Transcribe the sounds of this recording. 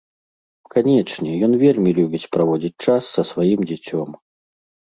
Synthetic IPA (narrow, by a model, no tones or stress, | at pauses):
kanʲɛt͡ʂnʲɛjɔnvʲelʲmʲilʲubʲit͡sʲpɾavɔd͡zʲit͡sʲt͡ʂasːɐsvajimd͡zʲɛt͡sʲɔm